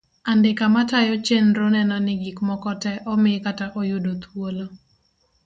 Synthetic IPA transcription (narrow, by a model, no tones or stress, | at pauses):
andɪkamatajɔt͡ʃenɾonɛnɔnɪɡikmɔkɔtɛʔɔmɪkataʔojʊdot̪wolo